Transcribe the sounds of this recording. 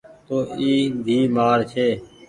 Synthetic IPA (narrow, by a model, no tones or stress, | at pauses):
t̪oːiːd̪ʱiːmaːɾt͡ʃʰeː